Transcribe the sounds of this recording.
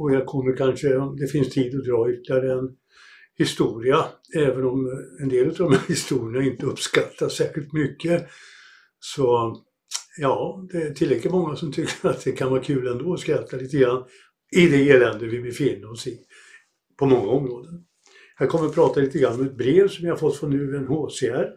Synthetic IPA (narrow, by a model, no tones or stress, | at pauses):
ɔjɑkʰɔmːəɾkʰanʂəɔd̪ɛfɪnst̪ʰiːd̪ɔd̪ɾɑːʏt̪lɪaɾəɛn | hɪst̪uːɾɪaɛːvənɔmɛnd̪eːlʉt̪aɾd̪ɔmahɪst̪uːɾɪnaɪnt̪əɵpskat̪ʰːasɛːɧɪlt̪mʏkːə | sɔ | jɑːd̪ɛæt̪ʰɪlːɛklət̪mɔŋːasɔmt̪ʰʏkːəɾat̪̚d̪ɛkʰanvɑːɾkʰʉ̟ːlɛnd̪oːɔskɾat̪ʰːaliːt̪əɡɾanː | ɪd̪ɛeːlɛnd̪əvɪmɪfɪnːasɪ | pʰɔmɔŋːaɔmɾoːd̪ən | hæːɾkʰɔmːəɾɔpʰɾɑːt̪aliːt̪əɡɾanːɔmɛt̪̚bɾeːvsɔmjahaɾfɔt̪ːfɔnːʉ̟ːɛnhoːseæɾ